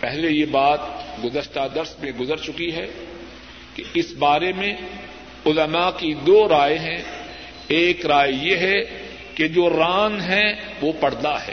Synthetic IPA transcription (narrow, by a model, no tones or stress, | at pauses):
pɛɦlejebaːt̪̚ɡʊzəɾʃt̪ad̪ɐɾsmẽɡʊzəɾt͡ʃʊkiɦɛ | keɪsbaːɾemẽ | ʊləmakid̪oːɾaːjeɦɛ̃ | eːkɾaːjjeɦɛ | ked͡ʒoːɾaːnɦɛ̃ʋoːpɐɽ̤d̪aɦɛ̰ː